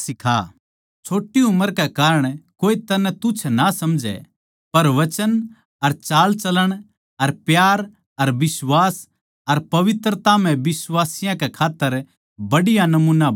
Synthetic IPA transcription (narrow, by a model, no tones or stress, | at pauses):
sɪkʰa̰ | t͡ʃʰoːʈːiʊmːəɾkɛkaːɾəɽ̃koːit̪ɐnɛt̪ʊt͡ʃʰnasɐmd͡ʒɛ̰ | pɐɾʋɐt͡ʃən | ɐɾt͡ʃaːlt͡ʃɐləɽ̃ | ɐɾpjaːɾ | ɐɾbɪswaːs | ɐɾpɐʋɪt̪ɾət̪amɛ̃bɪsʋaːsɪjãkɛkʰaːt̪ːəɾ | bɐɽɪjanɐmuːna